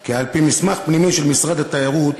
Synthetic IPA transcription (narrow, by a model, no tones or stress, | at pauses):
kialpimismaχpnimiʃelmisʁad̪at̪aaʁut̪